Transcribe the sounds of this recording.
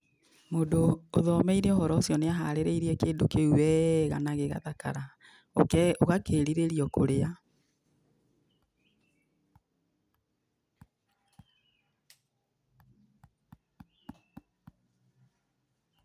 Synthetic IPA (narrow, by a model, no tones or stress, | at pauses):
modoːðɔmɛiɾɛɔhɔɾɔosjɔneaɦaɾeɾeiɾiɛkeːndokeuwɛɣa̰naɣeɣa̰ðaka̰ɾa | o̰kɛoɣakeɾiɾeɾiɔkoɾea